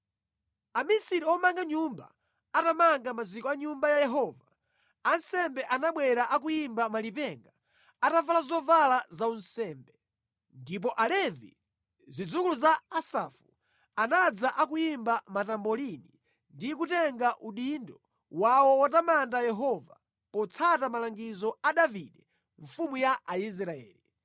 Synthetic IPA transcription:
amisiɾiɔmaŋɡaɲumba̰ | atamaŋɡamazikɔaɲumbajajɛɦɔːva | ansɛmbɛʔanaɓwɛɾaʔak̬ujimbamalipɛŋɡa | atavalazɔvalazaunsɛːmbɛ | ndip̬ɔʔalɛvḭ | zid͡zukuluzaːsafu | anad͡zaʔakujimbamatambɔlini | ndikutɛŋɡaʔuɗindɔ | wawɔwatamandajɛɦɔva | pɔt͡sʰatamalaŋɡizɔaɗaviɗɛ | ɱfumujaʔais̬ɾaɛ̰ːli

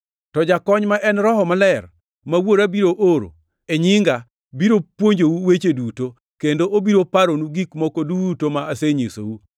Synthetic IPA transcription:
tɔd͡ʒakɔɲmaʔɛnɾɔɦɔmalɛr | mawoɾabiɾoʔoɾo̰ | eɲɪŋɡa | biɾopwoɲd͡ʒowuwet͡ʃeduto | kendoʔobiɾopaɾonuɡikmɔkodutomaːseɲiso̰wu

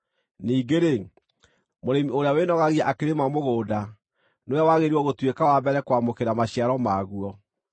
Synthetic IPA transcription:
niːɡeɾe | moɾemioɾeawenɔɣaɣiaʔakeɾemamoɣoːda | nojawaɣeɾiɔɣotwekawabɛɾɛkwamokeɾamaɕiaɾɔmaːɣuɔ

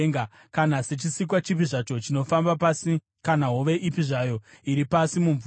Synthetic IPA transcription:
ŋɡa | kanase̞t͡ʃisik̬wat͡ʃip̬iʐat͡ʃo̞t͡ʃino̞fambasi | kanaɦoʋe̞ʔipiʐajo̞iɾipasimuɱv

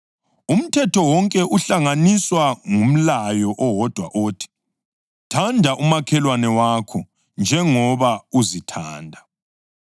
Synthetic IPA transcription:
um̩tʰɛtʰɔwɔŋkʼɛʔuɬaŋaniswaŋum̩lajɔʔɔwɔd̥ʱwa̰ʔoːtʰi̥ | tʰandʱaʔumakʰɛlwanɛwakʰɔ | nd͡ʒʱɛŋɔβauzitʰaːndʱa

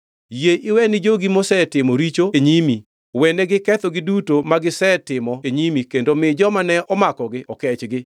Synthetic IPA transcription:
jeʔɪwɛnɪd͡ʒoɡimɔsɛtɪmɔɾit͡ʃoeɲimi | wɛneɡɪkɛt̪ɔɡɪdutomaɡɪsɛtɪmɔeɲimikendomɪd͡ʒɔmanɛʔɔmakɔɡɪʔɔkɛt͡ʃɡɪ

